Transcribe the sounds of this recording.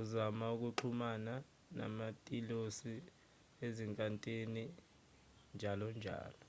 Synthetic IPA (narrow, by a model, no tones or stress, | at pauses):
uzamauk̬uǃʰumana | na̰matʼilosi | eziŋkʼantʼeni | nd͡ʒʱalɔnd͡ʒʱa̰ːlɔ